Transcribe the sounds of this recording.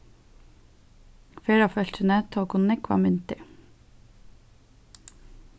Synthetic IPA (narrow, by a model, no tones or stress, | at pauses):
fɛːɾawfœl̥t͡ʃɪnɛt̪ʰːakʰʊnnɛkva̰mʏnt̪ɪ